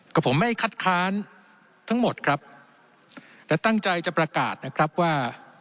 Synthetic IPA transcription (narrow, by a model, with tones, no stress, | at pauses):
kɔː˥˩pʰo˩˦mːa˥˩jkʰa˥˩t̪̚kʰaː˦˥n | t̪ʰa˦˥ŋmo˨˩t̪̚kʰɾa˦˥p̚ | lɛ˦˥wt̪a˥˩ŋt͡ɕa˧jt͡ɕa˨˩pɾa˧ka̰ː˨˩t̪̚na˦˥kʰɾa˦˥p̚waː˥˩